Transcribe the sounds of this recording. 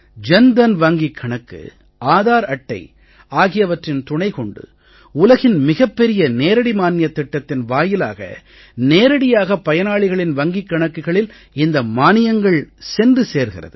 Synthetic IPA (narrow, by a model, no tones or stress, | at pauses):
d͡ʒɛnd̪ɐnʋɐŋɡikʰːɐɳɐkːɯ̰ | aːðaːɾɐʈːɐ̰ɪ | aːɣɪjɐʋɐʈrɪnt̪ʊɳɐɪkɔɳɖɯ̰ | ʊlɐɣɪnmɪɣɐpːɛɾɪjɐneːɾɐɽimaːnɪjɐt̪ːɪʈːɐt̪ːɪnʋaːjɪla̰ːɣɐ̰ | neːɾɐɽɪjaːɣɐpːɐjɐnaːɭɪɣɐɭɪnʋɐŋɡɪkːɐɳɐkːɯɣɐɭɪl | ɪnd̪ɐmaːnɪjɐŋɡɐɭsɛndrɯseːɾɣɪrɐ̰ðɯ